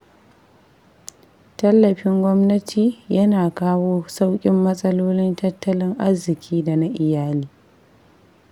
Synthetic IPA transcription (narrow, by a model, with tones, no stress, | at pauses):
tɐ˦lːɐ˨ɸɪ˦ŋɡʷɔ˦mnɐ˦tʰiː˨jɐ˦naː˨kaː˦woː˦sa˦wkʲʼɪ˦mːɐ˦sʼɐ˦loː˦lɪ˦ntɐ˦tːɐ˦lɪ˦ŋʔa˦zːɪ˨kʲʰiː˦da˨na˦ʔɪ˨jaː˦liː˦